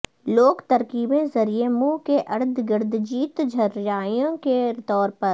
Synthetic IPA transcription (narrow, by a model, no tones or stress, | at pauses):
loːkt̪ɐɾkiːbẽzɐɾiemuːkeʔɐɾd̪ʱɡəɾd̪ʱd͡ʒiːt̪d͡ʒʱɐɾjaːijõket̪ɔːɾpɐɾ